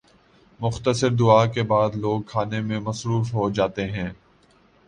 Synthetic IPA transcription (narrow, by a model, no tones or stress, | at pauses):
mʊxt̪əsəɾd̪ʊaːkebaːd̪loːɡ̚kʰaːnemẽmɐsɾuːfɦod͡ʒaːt̪eɦɛ̃ː